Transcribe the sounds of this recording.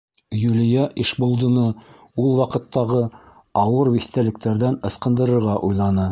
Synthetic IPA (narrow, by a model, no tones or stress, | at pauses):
jʉlijæʔiʃbŏlˠd̪ɤ̆nɤ | ulˠwɑqɤ̆t̪ːɑʁɤ | ɑwɤɾwiθt̪ælɘ̆k̚t̪æɾðænɤ̆sqɤ̆nd̪ɤ̆ɾɤ̆ɾʁɑʔujlˠɑnɤ